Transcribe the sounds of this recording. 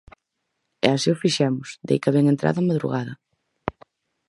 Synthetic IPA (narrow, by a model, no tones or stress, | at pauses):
ɛ̰asiʊfiʃɛmʊsd̪ḛjkaβɛŋẽnt̪ɾa̰ðɐamaðɾṵɣað̞ɐ